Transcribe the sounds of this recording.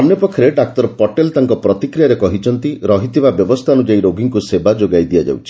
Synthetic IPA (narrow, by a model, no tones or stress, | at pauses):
amnjɔpɔkʰːɔɾeɖak̚t̪ɔɾpɔʈelt̪aŋkɔpɾɔt̪ikɾijaɾekɔɦit͡ʃʰɔnt̪iɾɔɦit̪ʰibabjɔbɔst̪ʰaɔnud͡ʒaiɾoɡiŋkusebad͡ʒoɡajd̪ijad͡ʒa̰wt͡ʃʰi̥